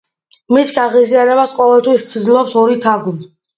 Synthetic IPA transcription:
misɡaʁiziaɾɛbasqʼɔvɛlˠt̪ʰwist̪sʰd̪ilˠɔpsɔɾit̪ʰaɡli

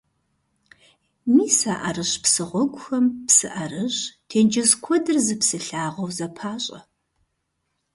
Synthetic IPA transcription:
miːsaːʔɐrɨɕpsɨʁʷɔɡʷʊxɐmpsɨ̰ʔɐrɨɕtʰeːnd͡ʒɐzkʷʰɔdɨrzɨpsɨɬaːʁɐwzɐpʰaːɕʼɐ

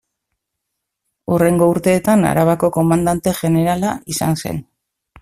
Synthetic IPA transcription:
ure̞ŋɡo̞uɾt̪e̞ːt̪ana̰ɾaβako̞ko̞mand̪ant̪e̞ʝe̞ne̞ɾalaisa̰nse̞̰n

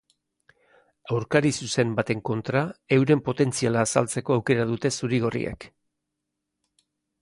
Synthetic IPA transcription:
awɾkaɾisuse̞mbat̪e̞ŋko̞nt̪ɾae̞wɾe̞mpo̞t̪e̞nt͡sialaːsalt͡se̞ko̞awke̞ɾað̞ut̪e̞suɾiɣ̞o̞rḭḛk

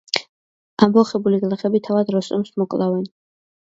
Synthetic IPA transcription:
ambɔχɛbuliɡlˠɛχɛbit̪ʰavad̪ɾɔst̪ʼɔ̰msmɔkʼlˠavɛn

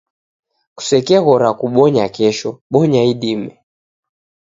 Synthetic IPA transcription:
ku̥sɛkɛɣɔɾakuɓɔɲakɛʃɔɓɔɲaiɗimɛ

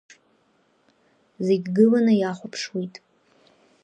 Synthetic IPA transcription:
ze̞ɡʲɡɨlanɨjaχʷʊpʰʂwitʼ

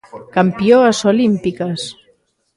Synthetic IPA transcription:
kampioasolimpikas

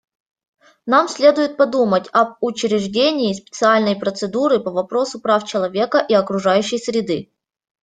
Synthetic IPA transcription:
namsʲlʲe̞d̪ʊjɪt̪̚pɐd̪umətʲɐb̚ʊt͡ɕɪɾʲɪʐdʲenʲɪːspʲɪt̪sɨalʲnəjpɾət̪sɨd̪uɾɨpəvɐpɾo̞sʊpɾaft͡ɕɪlˠɐvʲe̞kəʔiɐkɾʊʐajʉɕːɪjsɾʲɪd̪ɨ

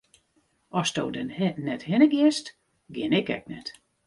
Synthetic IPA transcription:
ɔsdowdɛnnɛthɪnəɡɪst | ɡjɪnɪkɛ̰k̚nɛt

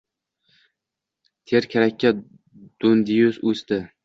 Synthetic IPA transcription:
t̪ʰeɾkʲʰaɾakʲːa | d̪̥ʊnd̪ɪjʊsɵst̪ɪ

